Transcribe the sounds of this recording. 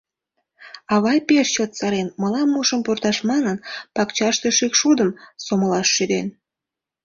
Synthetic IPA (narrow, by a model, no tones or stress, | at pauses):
ɑβɑjpeʃt͡ɕot̪sɑɾenməlɑnːuʃəmpurt̪ɑʃmɑnənpɑkt͡ɕɑʃt̪eʃikʃud̪əmsoməlɑʃːyd̪en